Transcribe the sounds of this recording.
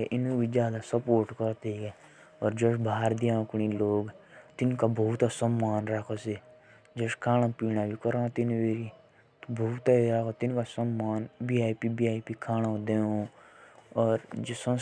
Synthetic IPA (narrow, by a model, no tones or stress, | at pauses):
ɛ̰ʔɪnũbʱid͡ʒjaːd̪asəpoːɾʈkəɾt̪ekɛ | ɔːɾd͡ʒəʃbʱaːɾd̪iãːkñiloːɡt̪ɪnkabɐut̪asəmːaːnɾakʰose | d͡ʒəʃkʰaːñãːpiːnabʱikəɾãːt̪ɪnʋeːɾi | t̪bʱɐut̪aɾaːkot̪ɪnkasɐmːaːnbiːaːipibiːaːipiːkʰaːñãd̪eːo | ɔːɾd͡ʒsə̃